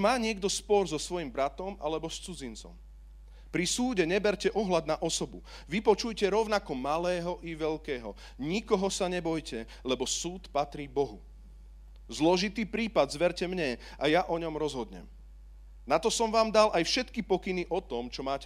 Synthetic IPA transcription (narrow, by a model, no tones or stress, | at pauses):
maːɲɪɛɡd̪ɔspɔɾzɔsʋɔjimbɾat̪ɔmʔa̰lɛbɔst͡sud͡zint͡sɔ̰m | pɾisuːɟɛɲɛbɛɾcɛʔɔɦlad̪naʔɔsɔbu | ʋipɔt͡ʃujcɛɾɔʊnakɔmalɛːɦɔʔiʋɛʎkɛːɦɔ | ɲikɔɦɔsaɲɛbɔjcɛ | lɛbɔsuːt̪pat̪ɾiːbɔɦu | zlɔʒit̪iːpɾiːpad̪zʋɛɾcɛmɲɛ | ʔajaʔɔɲɔmɾɔzɦɔd̪ɲɛ̰m | nat̪ɔsɔmʋaːmd̪alʔajfʃɛt̪kipɔkiniʔɔt̪ɔmt͡ʃɔmaːcɛ